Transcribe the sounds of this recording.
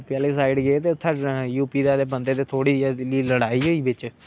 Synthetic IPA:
pɪjaːleːs̬aːɪɖɡeet̪eːt̪ʰːaɖjuːpiːd̪aːlebənd̪eːt̪eːt̪ʰoːɽiːliːləɽaːiːɦoːiːbɪt͡ʃ

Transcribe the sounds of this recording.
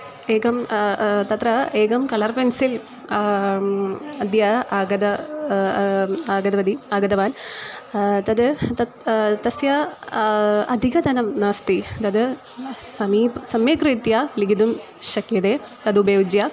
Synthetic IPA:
eːɡɐmt̪ɐt̪rɐeːɡɐmkɐɭɐrpensil | ɐd̪jɐaːɡɐd̪ɐ | aːɡɐd̪ɐʋɐd̪iaːɡɐd̪ɐʋaːn | t̪ɐd̪ɨt̪ɐ | t̪ɐsjɐ | ɐd̪ʱiɡɐd̪ʱɐnɐmnast̪it̪ɐd̪ɨ | sɐmiːsɐmeːkrit̪jaliɡid̪um | ɕɐkjɐd̪eː | t̪ɐd̪ubeːʋud͡ʒjɐ

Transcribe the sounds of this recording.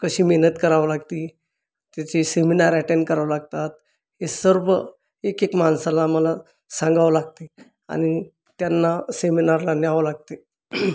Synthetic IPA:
kəɕiːmeɦnət̪kəɾaʋlaɡt̪i | t̪jat͡ɕeseminaɾaʈeɳɖkəɾaʋlaɡt̪at̪̚ | hesəɾʋə | ekekmansalaməla | sãŋɡaʋlaɡt̪e | a̰ñi | t̪janːaseminaɾlanaʋəlaɡ̚t̪e

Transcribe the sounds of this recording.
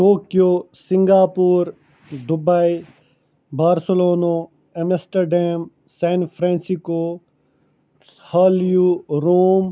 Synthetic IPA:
ʈoːkijoːsɪ̃ŋɡaːpuːɾ | d̪ʊbai | baːɾsəloːno | emesʈəɾɖɛːm | sɛːnfʰɾɛ̃ːnsikoː | haːljuɾoːm

